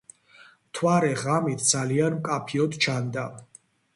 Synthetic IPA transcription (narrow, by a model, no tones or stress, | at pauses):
t̪ʰwaɾɛʁamit̪ʰd̪zalianmkʼapʰiɔd̪t͡ʃʰand̪a